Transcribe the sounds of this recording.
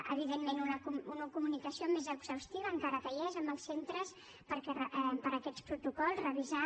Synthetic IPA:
ə̰β̞iðenmenunəkumunəkumunikəsiomezəkzəwst̪iβəːŋkaɾət̪əʎɛzəmbəlˠsːent̪ɾəs | pəɾkɛəpəɾəkɛt̪t͡spɾut̪ukɔlˠzrəβiza

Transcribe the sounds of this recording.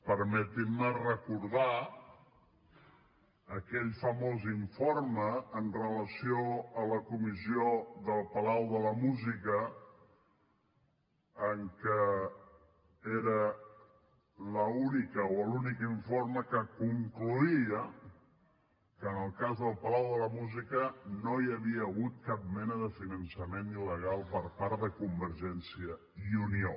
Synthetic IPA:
pəɾmɛt̪imːərəkuɾða | əkɛʎfəmoziɱfoɾməːnrələsioələkumizioðəlˠpəlawðələmuzikə | ŋkə | eɾə | ləunikəoəlunikiɱforməkəkuŋkluiə | kəːnəlˠkazðəlˠpəlawðələmuzikənoiəβiəːɣut̪̚kap̚mɛnəðəfinənsəmeniləɣ̞alˠpəɾpaɾðəkumbəɾʒɛnsiə | iunio

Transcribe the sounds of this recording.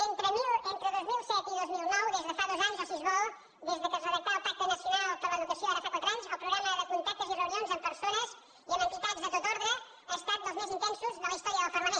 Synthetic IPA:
ent̪ɾəmilent̪ɾəðozmilˠsɛt̪iðozmilˠnɔwðezðəfaðozaɲzəsizβo | ðezðəkəzəðəkoəlˠp̪ak̚t̪ənəsjunalˠpəɾləðukəsjoaðəfakwat̪ɾaɲzəlˠpɾuɣɾaməðəkunt̪ak̚t̪əzirəunionzəmpəɾsonəz | iəmənt̪it̪ad͡zzðət̪ot̪oɾðɾə | aːst̪at̪̚d̪əlˠzmezint̪ɛnsuzðələist̪ɔɾiəðəlˠfəɾməne

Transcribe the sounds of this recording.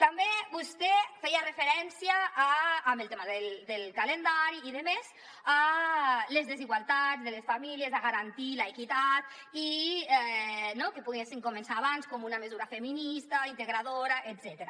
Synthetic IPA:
t̪ambebust̪efɛjarefeɾɛnsiaː | mbelˠt̪emaðeld̪elkalend̪aɾiːðemez | a | lezðeziɣwalˠt̪azðelesfamiliezaɣaɾant̪ilaekit̪at̪ | iɛnokepuɣesiŋkomensaːβanskomunamezuɾafeminist̪aint̪eɣɾaðoɾaʔet̪zɛt̪eɾa

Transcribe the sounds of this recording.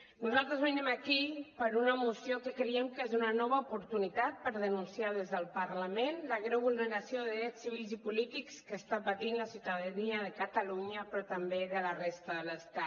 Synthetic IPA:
nuzalˠt̪ɾəzβənɛmakipəɾunəmusjokəkɾəɛmkezunənɔβaupuɾt̪unit̪at̪̚pəɾðənunsiað̞ezðəlˠpəɾləmenləɣɾeβulˠnəɾasioðəðɾɛsiβ̞ilˠzipulit̪ikskəːst̪apat̪inləsiuwt̪aðaniəðəkat̪aluɲəpɾɔt̪ambeðələrest̪əðələst̪at̪

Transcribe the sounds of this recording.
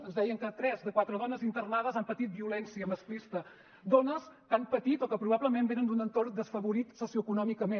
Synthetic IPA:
ənzðɛjəŋkət̪ɾɛzðəkwat̪ɾəðɔnəzint̪ərnaðəzampət̪it̪̚biulɛnsiəməsklist̪ə | d̪ɔnəskampət̪it̪ɔkəpɾuβaβləmembenənd̪unənt̪ord̪əsfəβuɾit̪sosiuəkunɔmikəmen

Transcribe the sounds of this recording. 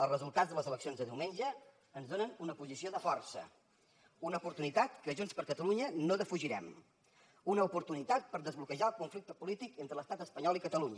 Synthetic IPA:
əlˠzrəzulˠt̪ad͡zzðələzələksionzðəðiwmeɲʲd͡ʒəː | nzðonənunəpuzisioðəfɔrsə̰ | unəupuɾt̪unit̪at̪kəʒunspəɾkət̪əluɲənoðəfuʒiɾɛm | unəupuɾt̪unit̪at̪̚pəɾðəzβlukəʒaəlˠkuɱflik̚t̪əpulit̪ikent̪ɾələst̪at̪əspəɲɔlˠikət̪əluɲə

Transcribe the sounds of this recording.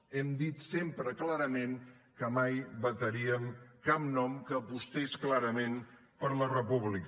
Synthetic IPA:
ɛmd̪it̪sempɾəklaɾəmeŋ | kəmajbət̪əɾiəmkap̚nɔmkəːpust̪esklaɾəmen | pəɾlərəpuβlik

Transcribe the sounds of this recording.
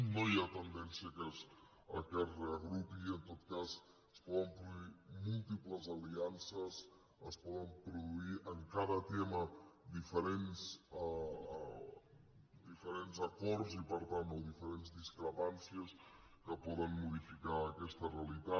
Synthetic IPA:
nojat̪ənd̪ɛnsiəkez | ə̰kɛt̪reəɣɾupiənt̪ot̪̚kaz | əspɔðəmpɾuðuimulˠt̪ipləzaliansəs | əspɔðəmpɾuðuiʔəŋkaðət̪eməd̪ifəɾens | d̪ifəɾenzɐkɔɾzipəɾt̪ant̪oðifəɾenzðiskɾəpansiəs | kəpɔðənmuð̞ifikaːkɛst̪əreəlit̪a

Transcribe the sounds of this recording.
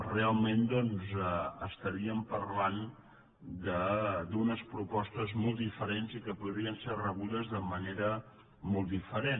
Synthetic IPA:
realˠmend̪ɔnzəəst̪əɾiəmpəɾlan | d̪əd̪unəspɾupɔst̪əzmɔlˠt̪ifəɾenzikəpuðɾiənserəβuðəzðəməneɾə | mɔlˠt̪ifəɾen

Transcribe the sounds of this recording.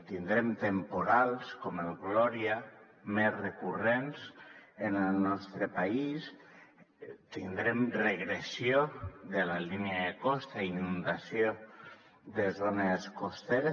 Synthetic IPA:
t̪ind̪ɾemt̪empuɾalˠskɔmelɣlɔɾia | mezrekurenzenəlnɔst̪ɾəpais | t̪ind̪ɾemreɣɾesjoðelaliniaðekɔst̪ainund̪asjo | ðəzoneskost̪eɾə

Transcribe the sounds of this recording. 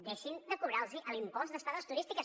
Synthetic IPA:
d̪ɛʃind̪əkuβɾalˠziʔəlimpɔnzðəst̪aðəst̪uɾist̪ikə

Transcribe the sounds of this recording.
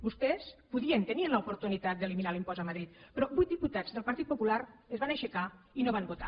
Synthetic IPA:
bust̪ɛspuðiənt̪əniənləupuɾt̪unit̪at̪̚d̪əliminalimpɔzəmaðɾit̪̚pɾɔbujt̪̚d̪iput̪ad͡zðəlˠpəɾt̪it̪pupulaɾəzβanəʃəkainoβambut̪a̰

